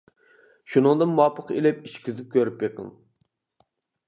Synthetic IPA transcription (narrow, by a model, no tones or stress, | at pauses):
ʃunɨŋd̪ɨnmuwɑːpʰəqḛlɪpiʃkʲizyp̚kʲøɾypjeqə̰n